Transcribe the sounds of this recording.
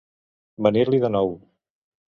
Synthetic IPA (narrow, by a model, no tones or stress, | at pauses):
bəniɾliðənɔw